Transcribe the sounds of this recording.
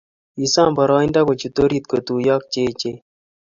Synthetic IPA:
i˨sa˦mbɔ˨ɾɔ˦i˦nda˦ko˨t͡ʃu˨t̪o˦ɾi˦t̪̚ko˨t̪u˨ja˦k̚t͡ʃe˦t͡ʃe˦

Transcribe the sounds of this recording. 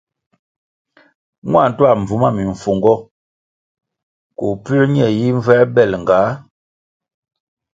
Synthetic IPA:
ŋwa˦˨n̩˨twa˦˨m̩˨vu˨ma˦˨mi˨ɱ˨fo˨ŋɡɔ˦ | ko˨pʉ˦ɛ˦ɲɛ˨ji˦ɱ˦vɛ˦bɛ˦˨lŋ˨ɡa˨˦

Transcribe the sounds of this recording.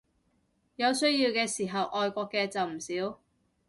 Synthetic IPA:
jɐ˨˧wsɵ˥ɥjiː˧wkɛː˧siː˨˩ɦɐ˨wʔɔː˨jkʷɔː˧kːɛː˧t͡sɐ˨wm̩˨˩siː˨˥w

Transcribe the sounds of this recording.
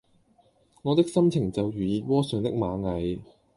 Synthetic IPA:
ŋɔː˨˧t̪ɪ˥k̚sɐ˥mt͡sʰɪ˨˩ŋt͡sɐ˨wjyː˨iː˨˧wɔː˥sœː˨˧ŋt̪ɪ̰˥k̚maː˨˧ŋɐ˨˧j

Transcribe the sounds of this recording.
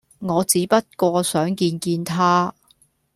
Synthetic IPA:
ŋɔː˨˧t͡siː˨˥pɐ˥t̚kʷɔː˧sœː˨˥ŋkiː˧nkiː˧nt̪ʰaː˥

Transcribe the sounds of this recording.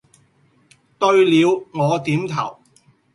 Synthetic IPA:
t̪ɵ˧ɥliː˨˧wŋɔː˨˧t̪iː˨˥mt̪ʰɐ̰˨˩w

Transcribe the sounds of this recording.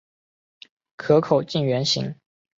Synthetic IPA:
kʰɤ˧˥kʰo˨˩ʊt͡ɕi˥˩ŋɥɛ˧˥nɕḭ˧˥˦ŋ

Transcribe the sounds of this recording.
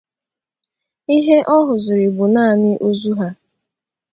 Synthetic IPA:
i˦ɦe˦ʔɔ˦ɦʊ˨zʊ˨ɾɪ˨bʊ˨naː˦˨nɪ˦ʔo˦zu˦ɦa˦

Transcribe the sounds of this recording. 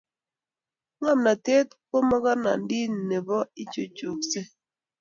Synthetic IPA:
ŋa˦˨mna˨te˦t̚ko˦mɔ˦kɔ˦na̰˨n˦di˦n˨ne˨bɔ˦i˦t͡ʃo˨t͡ʃo˨kse˦

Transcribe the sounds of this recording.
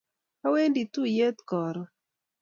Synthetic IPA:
ka˦we˦ndi˨tu˦je˦t̪kɔ˨ɾɔ˨

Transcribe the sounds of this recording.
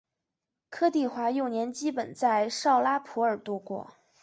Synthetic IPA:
kʰɤ˥t̪i˥˩xwa˧˥jo˥˩ʊnjɛ˧˥nt͡ɕi˥pə˨˩nt͡sa˥˧ɪʂɑ˥˩ʊla˥pʰu˧˥ə˞˨˩t̪ɔ˥kwɔ̰˥˩

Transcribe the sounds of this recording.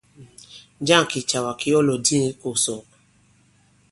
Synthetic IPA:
d͡ʒa˦˨ki˨t͡ʃa˨wa˨ki˦ɔ˦lo˨di˦e˦ko˨so˨

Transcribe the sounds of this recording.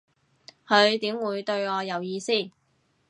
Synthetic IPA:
hʰɵ˨˧ɥt̪iː˨˥mwuː˨˧jt̪ɵ˧ɥŋɔː˨˧jɐ˨wjiː˧siː˥˩

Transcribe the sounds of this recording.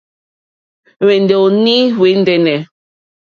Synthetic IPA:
wɛ˨ndɛ˨o˨ni˦we˨˦n̩˦dɛ˨nɛ˨

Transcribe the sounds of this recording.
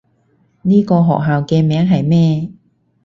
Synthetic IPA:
niː˥kɔː˧ɦɔ̰ː˨k̚ɦaː˨wkɛː˧mɛː˨˥ŋɦɐ˨jmɛː˥

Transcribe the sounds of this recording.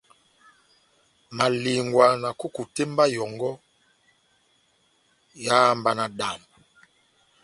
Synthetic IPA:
ma˨li˨ŋɡwa˨na˨ku˦ku˨te˦mba˦jɔ˨ŋɡɔ˦ | ja˦mba˨na˨ɗa˨n

